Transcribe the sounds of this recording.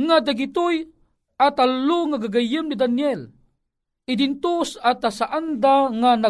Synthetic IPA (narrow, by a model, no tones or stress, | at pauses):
ŋad̪aɡit̪uj | at̪alːuŋaɡaɡajɯmnid̪anjɛl | id̪int̪usat̪asaʔand̪aŋana